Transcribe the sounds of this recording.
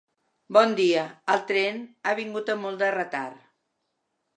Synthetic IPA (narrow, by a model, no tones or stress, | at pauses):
bɔnd̪iəəlˠt̪ɾenaβ̞iŋɡut̪əmulˠd̪ərət̪aɾ